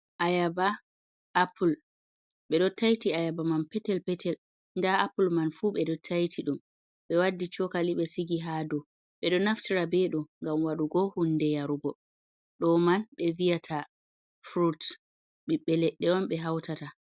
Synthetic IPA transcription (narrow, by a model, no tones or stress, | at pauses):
ʔajaba | ʔːpʰul | ɓɛɗɔtajtiajabamanpɛtɛlpɛtʰɛl | ndaapulmanfuɓɛɗɔtʰajtʰiɗum | ɓɛwadːit͡ʃɔkaliɓɛsiɡiɦadɔ | ɓɛɗɔnaftiɾabɛɗɔŋɡamwaɗuɡɔhunːdɛjaɾuɡɔ | ɗɔmanɓɛvijatʰa | fɾut | ɓiɓɛlɛɗːɛɔnɓɛɦawtata